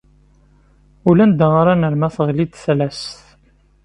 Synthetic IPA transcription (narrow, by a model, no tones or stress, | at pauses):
ulænd̪əʁaɾˤanəɾmæθəʁlid̪θlæst